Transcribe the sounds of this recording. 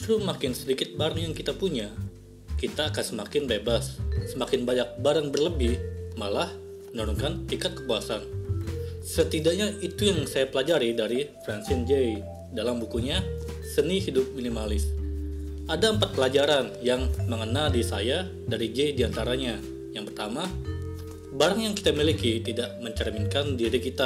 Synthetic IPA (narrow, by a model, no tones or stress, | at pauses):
t̪ɾumakɪnsədikɪt̪̚baɾaŋjaŋkit̪apuɲa | kit̪aːkansəmakɪnbebasːəmakɪnbaɲak̚baɾaŋbərləbɪhmalah | mənɔɾɔŋkanp̪ikat̪̚kə̥puasan | sət̪idaʔɲait̪ujaŋsajapəlad͡ʒaɾidaɾifɾansɪnd͡ʒej | dalambukuɲa | səniɦidʊp̚minimalɪs | adaəmpat̪̚pəlad͡ʒaɾanjaŋməŋənaldisaja | daɾid͡ʒejdiant̪aɾaɲa | jaŋpərt̪ama | baɾaŋjaŋki̥t̪amilikit̪idaʔməɲt͡ʃərminkandiɾikit̪a